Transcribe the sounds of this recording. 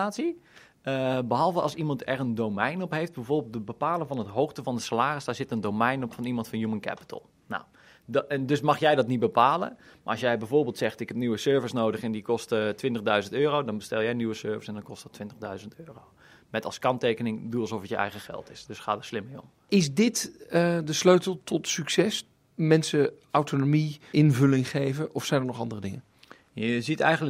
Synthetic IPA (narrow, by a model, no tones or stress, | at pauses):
aːtsi | əbəɦɔlˠvəʔɑ̰lsimɑntʰɛrəndowmɛjnɔpɦejft̚bɛjvoːbelˠtəbəpaːlˠənvɔnətɦowxtəvɔndəsalaːrɪsdaɹzɪtəndowmɛjnɔpfɔnimɑntfɔnjumənkɛ̰pə̥tʰə̰lˠ | na̰w | ndøsmɑxjɛjdɔtnitbəpaːlə̰ma̰ɑsjɛjbɛjvoːrbeːlˠtsɛxtɪkhɛpnyʋəsøːɹvəsnoːdəχɛndikɔstətʋɪntəɣdœɥzəntøːrowdɔnbəstɛlˠjɛjnyʋəsøːɹvəsɛndɔnkɔstətʰːʋɪntə̥dœɥzəntøːrow | mɛtɑ̰lˠskɑntejkənɪŋdulˠsɔfətjəʔɛ̰jɣəχɛ̰lˠtɪsd̥øsχaːdəslɪmɪjɔ̰m | ɪsdɪtədəsløɥtəlˠtʰɔtsyksɛs | mɛnsə | awtonomiɪnvɵlɪŋχejvəʔɔfsɛjndəɹnɔχɑndərədɪŋə | jəzitɛ̰jɣənlə